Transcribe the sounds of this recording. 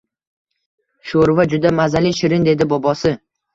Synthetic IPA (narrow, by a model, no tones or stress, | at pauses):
ʃoɾvad͡ʒʊd̪amazaliʃɪɾɪnd̪e̞d̪ɪbɒbɒsɪ